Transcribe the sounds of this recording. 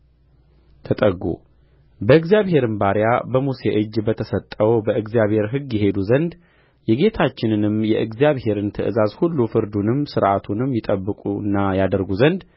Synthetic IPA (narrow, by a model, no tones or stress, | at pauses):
t̪ʰət̪ʼəɡːṵ | bəɨɡzijaβhe̞ɾɨnbaɾjabəmuseʔɨd͡ʒːbət̪ʰəsət̪ʼːəwbəʔɨɡzijaβhe̞ɾɦɨɡjɛɦe̞d̪uzənd̪ | jɛɡe̞t̪ʰat͡ʃːɪnɨnɨmjɛʔɨɡzijaβhe̞ɾɨnt̪ʰəʔɨzazhulːufɨɾd̪unɨmsɨɾʔat̪ʰunɨmjɪt̪ʼəbːɨkʼuɨ̰nːajad̪əɾɡuzənd̪